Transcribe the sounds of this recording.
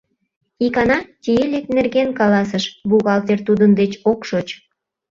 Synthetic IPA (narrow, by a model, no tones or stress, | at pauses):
ikɑnɑt̪ʲijelʲeknerɣenkɑlɑs̬əʃβuɣɑlt̪ert̪ud̪ənd̪et͡ɕokʃot͡ɕ